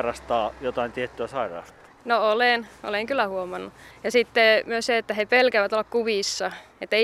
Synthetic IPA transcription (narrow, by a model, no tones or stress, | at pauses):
rɑst̪ɑːjot̪ɑint̪iet̪ːyæsɑirɑ̰ːst̪ɑ̥nooleˑno̰leŋkylˑæhuomɑnːujɑsit̪ːemyøsseet̪ːæhepelkæʋæt̪olːɑkkuʋisːɑet̪ːæei